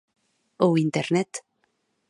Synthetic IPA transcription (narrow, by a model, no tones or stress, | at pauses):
owint̪eɾnet̪